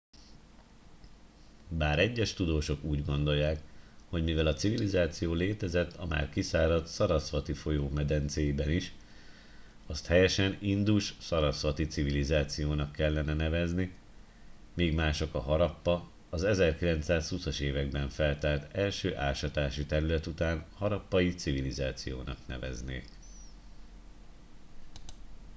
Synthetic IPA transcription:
baːɾɛɟːɛʃt̪ud̪oːʃo̞kuːɟɡo̞nd̪o̞jːaːkho̞ɟmivɛlɒt̪sivilizaːt̪sijoːleːt̪ɛzɛt̪ʰːɒma̰ːrkisaːɾɒt̪sɒɾɒsʋɒt̪ifo̞joːmɛd̪ɛnt̪seːjbɛniʃ | ɒst̪hɛjɛʃɛnind̪uʃsɒɾɒsʋɒt̪it̪sivilizaːt̪sijoːnɒkːɛlːɛnɛnɛvɛzni | meːɡmaːʃo̞kɒɦɒɾɒpːɒː | zɛzɛrkilɛnt̪saːshusɒʃeːvɛɡ̚bɛɱfɛlt̪aːrt̪ɛlʃøːʔaːʃɒt̪aːʃit̪ɛɾylɛt̪ut̪aːnhɒɾɒpːɒjit̪sivilizaːt̪sijo̰ːnɒ̰knɛ̰vɛ̰znḛːk

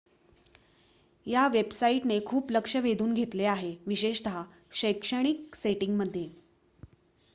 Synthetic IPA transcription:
jaʋebsaiʈnekʰuːpləkʂəʋed̪uːnɡʱet̪leaɦeʋiɕeʂt̪əɦa | ɕəjkʂəɽ̃ikseʈiŋɡməd̪ʱːje

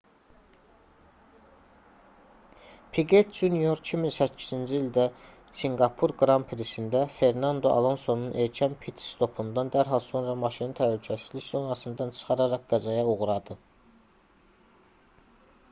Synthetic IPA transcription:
pʰiɡet̪ʰd͡ʒunijoɾcʰiminsæcʰːiz̥ind͡ʒiild̪æ | siŋɡɑpʰuɾɡɾɑmpʰɾisind̪æfe̞ɾnɑnd̪o̞ʔɑ̰lˠo̞nso̞nunʔe̞ɾcʰænpʰit̪ʰst̪ʰo̞pʰund̪ɑnd̪æɾɦɑlˠso̞nɾɑmɑʃinit̪ʰælycʰæsizliçso̞nɑsɯnd̪ɑnt͡ʃʰɯ̥χɑɾɑɾɑqɡ̥ɑzɑjɑuɣɾɑd̪ɯ

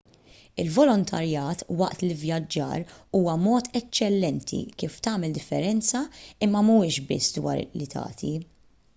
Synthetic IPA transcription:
ɪlvɔlɔnt̪ʰɐɾjɐːt̪wɐʔt̪lɪvjɐd͡ʒːɐ̰ːɾuːwɐmɔːt̪ɛt͡ʃːɛlːɛnt̪ʰḭkiːft̪ɐːmɛld̪ɪfːɛɾɛnt͡sɐɪmːɐmuɪʃbɪ̰sːd̪wɐ̰ːɾlit̪ʰɐ̰ːt̪ʰi

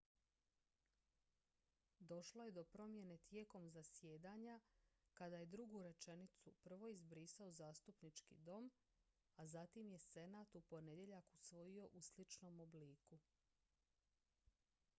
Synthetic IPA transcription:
d̪o̞ʃlo̞je̞d̪o̞pɾo̞mje̞ne̞t̪je̞ːko̞mzasje̞ːd̪aːɲakad̪aje̞d̪ɾuɡuɾe̞t͡ʃe̞nit̪supr̩ʋo̞izbɾiːsao̞zaːst̪upnit͡ʃkḭd̪o̞m | azat̪imje̞se̞naːt̪upo̞ne̞d̪je̞ʎakusʋo̞jio̞ʔuslit͡ʃno̞ːmo̞bliːku

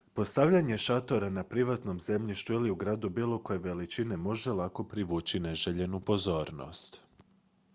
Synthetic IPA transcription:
po̞st̪aʋʎaɲe̞ʃat̪o̞ɾanapɾiʋat̪no̞mze̞mʎiʃt̪uiliuɡɾaːd̪ubiːlˠo̞ko̞je̞ʋe̞lit͡ʃine̞mo̞ʒe̞lˠako̞pɾiʋuːt͡ʃineʒeʎe̞nupo̞zo̞ːɾno̞̰st̪

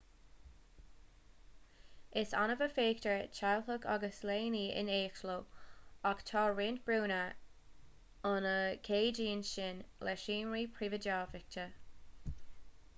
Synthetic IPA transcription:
ɪsa̰nəvəfeːktəɹt͡ʃʰawhəɡʰa̰ɡəsleːniɪ̰neːkʃloakt̪ʰɑːɹɪnt̚b̥ɹuːnə | ʊnəkʰeːd͡ʒiːənʃɪnlɛʃiːnɹiːpʰɹivədaːfɪk̚tə

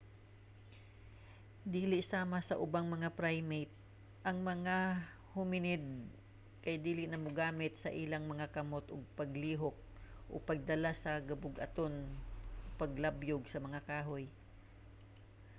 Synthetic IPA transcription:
d̪iːlɪʔsaːmɐsɐʔʊbaŋmɐŋapɾajmejt̪̚ | ʔɐŋmɐŋa | hʊmɪnɪd̪̚ | kɐjd̪iːlɪʔnɐmʊɡaːmɪt̪sɐʔɪlaŋmɐŋakɐmot̪ʔoɡ̚pɐɡliːɦok̚ | ʔo̰pɐɡ̚d̪ɐlasɐɡɐbʊɡʔɐ̰t̪on | pɐɡlabjoɡsɐmɐŋakaːɦoj

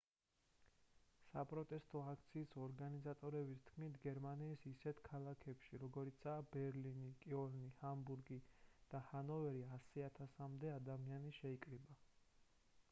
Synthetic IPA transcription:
sa̰pʼɾɔt̪ʼɛst̪ʼɔakʰt̪sʰiːsɔɾɡanizat̪ʼɔɾɛbist̪ʰkʰmit̪ʰɡɛɾmaniːsisɛt̪ʰkʰalˠakʰɛpʃiɾɔɡɔɾit̪sʰaːbɛɾlinikʼiɔlnihambuɾɡid̪̥ahanɔvɛɾiasiat̪ʰasamd̪ɛad̪amianiʃɛikʼɾiba

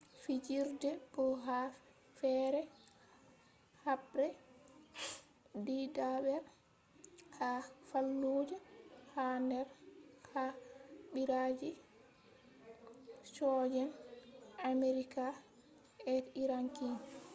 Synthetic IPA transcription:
fid͡ʒiɾdɛbɔɦa | fɛɾɛ | habɾɛ | didaɓɛɾ | hafalːud͡ʒɛhandɛɾhaɓiɾad͡ʒi | sɔːd͡ʒɛn | ameɾika | ɛtiɾaŋkin

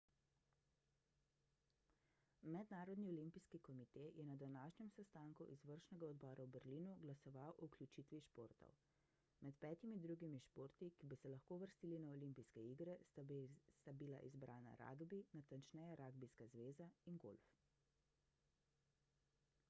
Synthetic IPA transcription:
mɛd̪naːɾɔd̪niɔlimpiskikɔmit̪eːjɛnad̪anaːʃɲɛmsɛst̪aːŋkuʔizʋəɾʃnɛɡaɔd̪bɔːɾawbɛɾliːnuɡlasɔʋawʔɔuklʲut͡ʃit̪ʋiʃpoːɾt̪ɔ̰w | mɛt̪pɛːt̪imid̪ɾuːɡimiʃpoːɾt̪ikibisɛlaxkoːʋəɾst̪iːlinaɔlimpiskɛiɡɾɛ | st̪abila̰ʔizbɾʔaːna̰ɾa̰ːɡbinat̪ant͡ʃnɛjaɾʔaːɡbiskazʋeːzainɡo̰lf

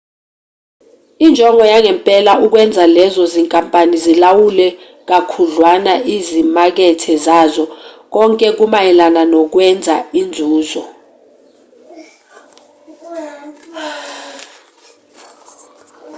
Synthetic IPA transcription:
ind͡ʒʱɔŋʱɔjaŋɛmpʼɛlauk̬wɛnd͡zʱalɛzɔziŋkʼampʼanizilawulɛ | k̬akʰuɮwanaʔizimak̬ɛtʰɛzazɔk̬ɔŋkʼɛk̬umajɛlananɔk̬wɛnd͡zʱaind͡zʱuːzɔ

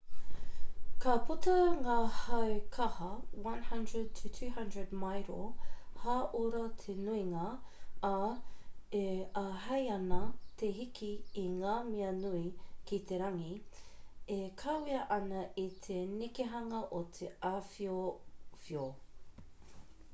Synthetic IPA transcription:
kɐputɐŋaːhɐwkʰɐhɐwɐ̃nhɐndɹəd̚tʰutʰʉːɦɐ̃ndɹədmajɾo̰haːʔuɾɐt̪ʰenuiŋaː | eaɦɐjɐnɐt̪eɦikiːŋaːmiɐnuikit̪eɾɐŋi | ekʰɐwiɐʔɐnɐʔit̪ʰenikeɦɐŋɐʔot̪ʰeafiofio

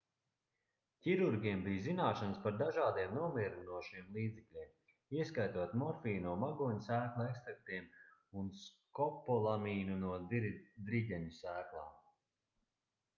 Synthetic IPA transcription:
ciɾuɾɡʲiɛmbijzinaːʃanspaɾd̪aʒaːd̪iɛmnuɔmiɾunuɔʃimlˠiːd̪zɛklʲiɛm | iɛskajt̪uɔt̪mɔɾfiːnuɔmaɡuːɲsæːklˠaɛkst̪ɾak̚t̪iɛmunskɔpːɔlˠamiːnunuɔd̪id̪ɾiɟʲɛɲusæːklˠaːm

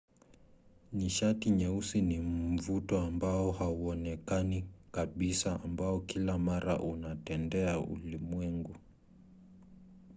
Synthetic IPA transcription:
niʃatiɲɛusinim̩vutɔambaɔhauɔnɛkanikaɓisaambaɔkilamaɾaʔunatɛndɛaṵlimwɛŋɡu

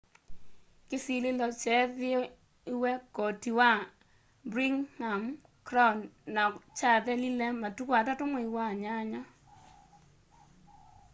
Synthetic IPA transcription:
kɪsilɪlɔt͡ʃɛðɪɔ | iwɛkɔtiwa | bɾiŋham | kɾɔnːat͡ʃaðɛlilɛmatukwatatʊmoiwaɲaɲa

